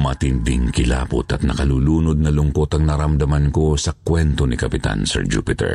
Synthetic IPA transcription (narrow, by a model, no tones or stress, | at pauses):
mɐt̪ɪnd̪ɪŋkɪla̰ːpʊ̰t̪ɐt̪̚nɐkɐluːluːnod̪̚nɐlʊŋko̞t̪ɐŋnɐɾɐmd̪ɐmɐnko̞sɐkwɛnt̪o̞nɪkɐpɪt̪a̰nsɛ̰ɹd͡ʒupɪt̪ɛ̰ɹ